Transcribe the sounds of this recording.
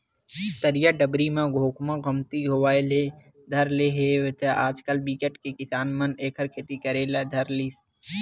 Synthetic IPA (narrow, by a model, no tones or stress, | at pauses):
t̪əɾijaɖəbɾimẽɡʱoːkmãɡəmt̪iɦoaːele | d̪ʱɐɾleɦeːʋet̪ʰeaːd͡ʒkəlbiːkeʈkekɪsaːnməneːkʰəɾkʰeːt̪ikɐɾeːled̪ʱɐɾliːs